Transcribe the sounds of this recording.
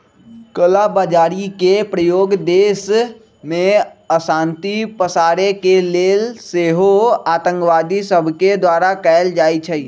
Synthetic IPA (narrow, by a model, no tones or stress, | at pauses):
kəlabaːd͡ʒaːɾikepɾəjoːɡd̪eːs | mẽəsaːnt̪ipəsaːɾekeleːlseɦoaːt̪ə̃ŋkʋaːd̪isəbʱked̪waːɾakɛɪld͡ʒaːit͡ʃʰə